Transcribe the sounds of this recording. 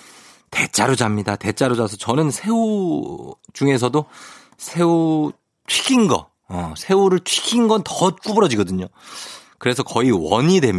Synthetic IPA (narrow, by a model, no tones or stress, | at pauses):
te̞t͡ɕ͈aɾod͡ʑamɲidate̞t͡ɕ͈aɾod͡ʑas̬ʰʌt͡ɕʌnɯnsʰe̞u | d͡ʑuŋe̞s̬ʰʌdo | sʰe̞u | tʰɥi̥kʰinɡʌ̰ | ʌsʰe̞uɾɯɭtʰɥi̥kʰinɡʌntʌt̚k͈ubɯɾʌd͡ʑiɡʌdɯɲokɯɾe̞sʰʌkʌiwʌɲidwe̞m